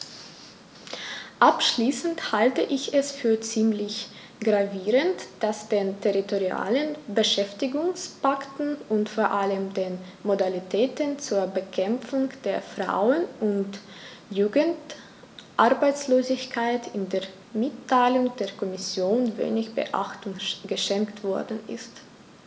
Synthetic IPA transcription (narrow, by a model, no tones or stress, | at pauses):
ʔapʃliːsn̩thaltəʔɪçɛsfyːɐt͡siːmlɪç | ɡ̥ʁaviːʁəntd̥asd̥eːntʰeʁitoʁia̰ːlənbəʃɛftɪɡʊŋspaktn̩ʊntfoːɐʔaləmdeːn | modalitʰɛːtənt͡suːɐbəkʰɛmp͡fʊŋd̥eːɐfʁ̥a̰ʊənʊntjuːɡənt | ʔaɐbaɪt͡sloːzɪçkʰaɪtʰɪndeːɐ | mɪtʰːaɪlʊŋd̥eːɐkʰɔmɪsjoːnvḛːnɪçb̥ə̰ʔa̰χtʊŋɡ̥əʃɛŋktv̥ɔɐdn̩ɪ̰st